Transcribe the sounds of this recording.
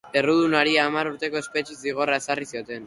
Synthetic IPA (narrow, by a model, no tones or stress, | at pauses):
e̞ruð̞unaɾiaːmaɾuɾt̪e̞ko̞e̞spe̞t͡ʃesiɣ̞o̞rae̞sarisio̞t̪e̞n